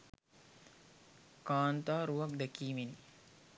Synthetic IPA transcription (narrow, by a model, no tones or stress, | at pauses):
kaːnt̪aːɾuʋak̚d̪ɛkiːmeni